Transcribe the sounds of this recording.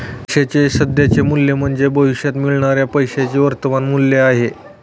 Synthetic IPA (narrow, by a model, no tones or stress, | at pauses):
ɕet͡ɕesəd̪jat͡ɕemuljem̤əɳd͡zebəʋiɕjat̪miɭɳaɾjapəjɕat͡ɕeʋəɾt̪əʋanmulːeaɦe